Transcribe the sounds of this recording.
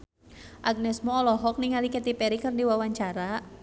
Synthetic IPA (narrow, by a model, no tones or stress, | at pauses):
ʔaɡ̚nɛsmɔːlɔɦɔk̚niŋaliket̪ipɛɾikɨrdiwawaɲt͡ʃaɾa